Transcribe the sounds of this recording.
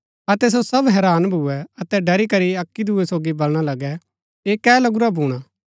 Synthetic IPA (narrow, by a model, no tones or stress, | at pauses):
ɐt̪ɛs̬osɐbɦɛːɾaːnbʱuɛɐt̪ɛɖɐɾikɐɾiɐkːid̪ʱuːesoːɡibɐlɽ̃alɐɡɛ | eːkɛːlɐɡʊɾabʱuːɽ̃aː